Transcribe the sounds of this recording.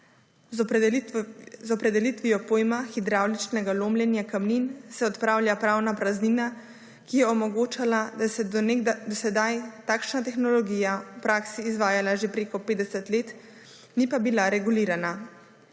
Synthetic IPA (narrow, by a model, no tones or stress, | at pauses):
z | zɔpɾɛd̪ɛlit̪ʋiɔpoːjmaxid̪ɾaːwlit͡ʃnɛɡaloːmljɛnjakamninsɛɔt̪pɾaːwlʲjapɾaːwnapɾazniːna | kijɛɔmɔɡoːt͡ʃalad̪asɛnd̪ɔsɛd̪ajt̪aːkʃnat̪ɛxnɔlɔɡijawpɾaːksiːzʋaːjalaʒepɾeːkɔpeːd̪ɛsɛt̪leːt̪ | nipabilaɾɛɡuliːɾana